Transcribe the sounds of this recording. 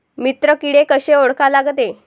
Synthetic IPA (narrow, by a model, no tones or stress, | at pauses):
mit̪ɾəkiɽekəɕeoɽkalaɡt̪e